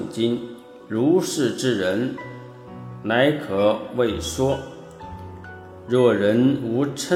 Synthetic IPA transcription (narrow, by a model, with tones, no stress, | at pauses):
ŋt͡ɕi˥n | ɻu˧˥ʂɻ̩˥˩ʈ͡ʂɻ̩˥ɻə˧˥n | na˧˥ɪkʰɤ˨˧˩we˥˩ɪʂwɔ˥ | ɻɔ˥˩ɻə˧˥nu˧˥ʈ͡ʂʰə˥